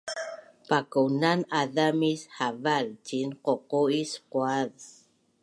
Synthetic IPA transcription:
pakunanaðamishavalcinqoqoisquað

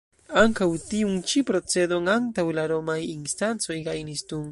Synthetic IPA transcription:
aŋkat̪iuŋt͡ʃipɾot͡sed̪oŋaŋt̪awɪlaɾomajiŋst̪ansojɡajnist̪uŋ

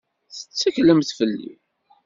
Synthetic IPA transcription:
θə̥t͡sːækləmθfəlːḭ

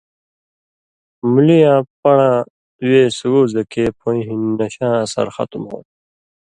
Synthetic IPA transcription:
mulijãːpɐɳãː | weːsuɡoːzɐkeːpʰõĩɦinnɐɕãːsɐ̰ɾxɐ̰t̪umhõ̰ː

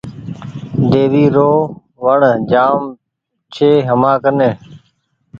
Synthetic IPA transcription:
d̪eːʋiːɾoː | ʋəɳd͡ʒaːm | t͡ʃʰeːɦəmãːkəneː

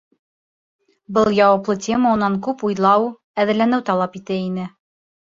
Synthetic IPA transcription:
bɤlˠjɒwɑplˠɤtʲʰeməŭnːɑŋkʉpujlˠɑw | æðɘ̆lænɘwt̪ɒlˠɑpit̪ɘinɘ

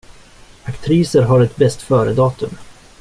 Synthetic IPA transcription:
akt̪ʰɾiːsəɾɦaɾɛt̪bɛst̪fœːɾəd̪ɑːt̪ɵm

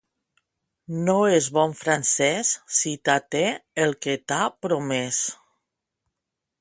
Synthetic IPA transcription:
noezβɔɱfɾansɛssit̪at̪eelˠket̪apɾomɛs

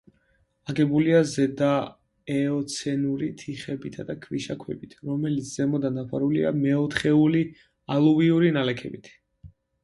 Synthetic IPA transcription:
aɡɛbuliazɛd̪a | ɛɔt̪sʰɛnuɾit̪ʰiχɛbit̪ʰad̪akʰviʃakʰwɛ̰bit̪ʰɾɔmɛlit̪sʰz̥ɛmɔd̪anapʰaɾulḭa̰mɛɔt̪ʰχɛuli | alˠuviuɾinalɛkʰɛ̰bit̪ʰ

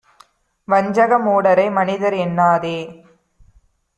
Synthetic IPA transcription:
ʋɐɲd͡ʒɐɣɐmoːɽɐɾɐɪmɐnɪðɐɾɛnːaːðeː

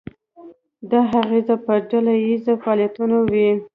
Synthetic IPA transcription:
d̪ɑɦaɣezapəɖalajizafɑːljat̪unawi

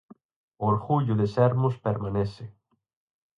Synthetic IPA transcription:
oɾɣuʎʊðesɛɾmʊspeɾmanesɪ

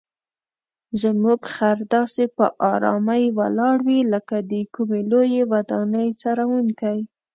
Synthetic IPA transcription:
zmuɡxaɾd̪ɑsepə̰ʔɑɾɑ̰majwa̰lɑɽwiləkad̪əkumelojewad̪ɑnəjt͡sɑɾawunkaj

